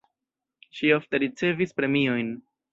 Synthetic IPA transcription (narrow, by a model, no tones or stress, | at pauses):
ʃiofte̞ɾit͡se̞vispɾe̞mio̞jn